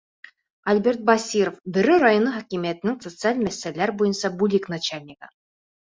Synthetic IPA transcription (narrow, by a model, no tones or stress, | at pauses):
ɐlʲbʲe̞rt̪̚basʲiɾofbɘ̆ɾɘɾajonɤχækʲimijæt̪ɘ̆nɘŋsot̪sɨalʲmæsːælːæɾbujɤnsɑbulʲiknat͡ɕalʲnʲɪkɑ̰